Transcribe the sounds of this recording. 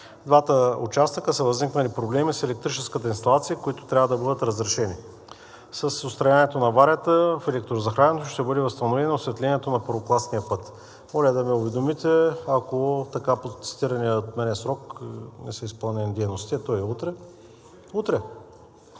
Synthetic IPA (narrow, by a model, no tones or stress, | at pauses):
d̪vat̪əʊt͡ʃast̪əkəsəvɐzniknəlipɾoblɛmisɛlɛk̚t̪ɾit͡ʃɛskət̪əinst̪ɐlˠat̪siəkoit̪ʊ̥t̪ɾʲavəd̪ɐbɤd̪ət̪ɾɐzɾɛʃɛni | sɐsʊst̪ɾɐjaniɛt̪onɐvaɾʲət̪əfɛlɛk̚t̪ɾozɐxɾanɛnot̪oʃt̪ɛbɤd̪ɛvɐst̪ɐnovɛnoʊsvɛt̪lʲɛniɛt̪onɐpəɾvoklˠasnijəpɤt̪ | mɔlʲɛd̪ɐmɛʊvɛd̪omit̪ɛɐkot̪ɐkapot̪si̥t̪iɾɐniət̪mɛnɛəsɾɔknɛsɛispəlˠnʲɛnd̪ɛjnost̪iɐt̪ɔiut̪ɾɛ | ut̪ɾɛ